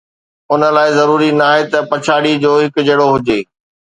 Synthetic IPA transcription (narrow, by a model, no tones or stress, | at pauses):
ʊnə̆laːɪzɐɾuːɾinaːɦet̪ɐpɐt͡ɕʰaːɽid͡ʑoːɦɪkʊ̆d͡ʑeɽoɦʊd͡ʑeː